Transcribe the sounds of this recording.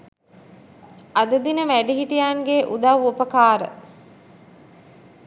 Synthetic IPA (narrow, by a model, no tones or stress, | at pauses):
ad̪əd̪inəʋæɖiɦiʈijaːŋɡeʔud̪aʋopəkaːɾə̰